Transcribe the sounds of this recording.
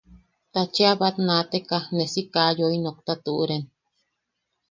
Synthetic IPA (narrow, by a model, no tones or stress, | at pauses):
t̪at͡ʃeaβat̪nãt̪ekanesikajoinok̚t̪at̪uʔuɾen